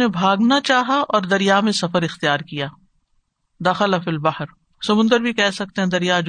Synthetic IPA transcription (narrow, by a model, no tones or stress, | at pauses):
nebʱaːɡnat͡ʃaːɦaʔɔːɾd̪ɐɾijamẽsɐfəɾɪxt̪ijaːɾkijaː | d̪aːxɪlafɪlbɐhəɾ | sɐmʊ̃nd̪əɾbʱikɛɦsɐk̚t̪ẽɦɛ̃d̪ɐɾijad͡ʒ